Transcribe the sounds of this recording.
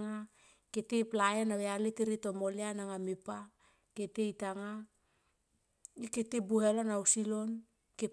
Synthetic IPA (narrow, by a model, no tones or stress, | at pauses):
ŋa | ketejplaenaβealeteɾito̞mo̞leanaŋamipa | kete̞jtaŋa | iketebuhelo̞nawsilo̞n | ke